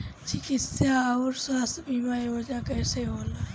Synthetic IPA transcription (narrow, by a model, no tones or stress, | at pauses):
t͡ʃʰikisaʊɾswaːst̪biːmaːiod͡ʒãkɛːseɦoːla